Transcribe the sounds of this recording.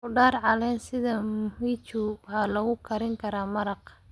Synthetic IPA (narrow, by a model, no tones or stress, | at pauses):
kʊɖaːɾʕɑlɛːnsɪðɐmʊmiːt͡ʃʊwħaːlɐɣʊkʰɐɾɪŋkʰɐɾaːmɐɾɑq